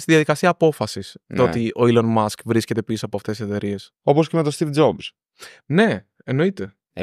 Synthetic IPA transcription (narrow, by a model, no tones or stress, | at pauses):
st̪iðiɐðikɐsiɐːpo̞fɐsist̪ot̪iʔo̞ilonmɐskvɾisce̞t̪e̞pisoɐpoɐft̪esiset̪e̞ɾie̞s | o̞po̞scemet̪o̞st̪ifd͡zobz | ne̞ː | no̞it̪e̞